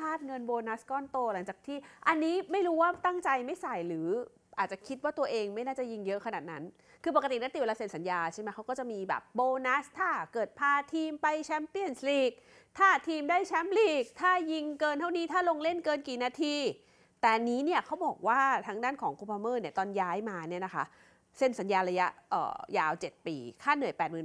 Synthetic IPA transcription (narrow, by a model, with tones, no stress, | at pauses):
kʰaː˥˩t̪̚ŋɤ˧nboː˧na˦˥skɔː˥˩nt̪oː˧la˩˦ŋt͡ɕaː˨˩k̚t̪ʰiː˥˩ʔa˧nːiː˦˥ma˥˩jɾuː˦˥waː˥˩t̪a˥˩ŋt͡ɕa˧jma˥˩jsa˨˩jlɯː˩˦ | ʔaː˨˩t͡ɕa˨˩kʰi˦˥t̪̚waː˥˩t̪u˧ɐʔeː˧ŋma˥˩jnaː˥˩t͡ɕa˨˩ji˧ŋjɤ˦˥ʔkʰa˧naː˨˩t̪̚na˦˥n | kʰɯː˧pa˨˩kt̪i˨˩na˦˥t̪i˨˩we˧laː˧se˨˩n̚sa˩˦njaː˧t͡ɕʰa˥˩ma˦˥jkʰa˦˥wkɔː˥˩t͡ɕa˨˩miː˧bɛ̰ː˨˩p̚boː˧na˦˥st̪ʰaː˥˩kɤː˨˩t̪̚pʰaː˧t̪ʰiː˧mpa˧jt͡ɕʰɛ˦˥mpi˥˩ənsliː˨˩k̚ | t̪ʰaː˥˩t̪ʰiː˧mdaː˥˩jt͡ɕʰɛ˦˥mliː˨˩k̚t̪ʰaː˥˩ji˧ŋkɤː˧nt̪ʰa˥˩wniː˦˥t̪ʰaː˥˩lo˧ŋle˥˩nkɤː˧nkiː˨˩naː˧t̪ʰiː˧ | t̪ɛː˨˩niː˦˥ni˥˩ɐkʰa˦˥wbɔː˨˩k̚waː˥˩t̪ʰa˦˥ŋdaː˥˩nkʰɔː˩˦ŋkʰu˧pʰaː˧mɤː˥˩ni˥˩ɐt̪ɔː˧njaː˦˥jmaː˧ni˥˩na˦˥kʰa˦˥ʔ | se˧˩nsa˩˦njaː˧ɾa˧ja˦˥ʔʔə̰ː˨˩jaː˧wt͡ɕe˨˩t̪̚pḭː˨˧˩kʰaː˥˩nːɯ˨˩əjpɛː˨˩t̪̚mɯː˨˩